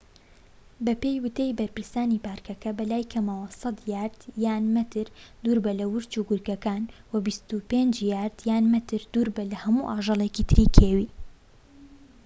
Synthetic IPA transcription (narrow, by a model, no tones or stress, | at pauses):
bɐpejwɨt̪ejbɐɾpɨɾst̪aːnipaːɾkɐkɐbɐlaːjkʰɐmawɐsɑd̪jaːɾd̪̥jaːnmɨt̪ʰɨɾd̪uːɾbɐlɐwʊɾt͡ʃuɡʊɾkɐkaːnwɐbist̪upeːnd͡ʒjaːɾd̪̥jaːnmɨt̪ɨɾd̪uːɾbɐlɐhɐmuʔaːʒɑlˠecit̪ʰɨɾikʰeːwiː